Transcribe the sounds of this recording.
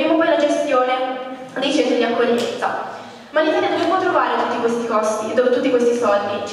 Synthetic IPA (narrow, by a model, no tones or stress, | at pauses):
ɾiːmopɔjlad͡ʒest̪joːne | d̪it͡ʃɛnt̪od̪iakːoʎːimḛnt̪sa̰ | malːifaɾɛnd̪ot͡ʃipwɔt̪ːɾovaːɾet̪ut̪ːikwest̪ikɔst̪id̪oːpot̪ut̪ːikwest̪isɔld̪i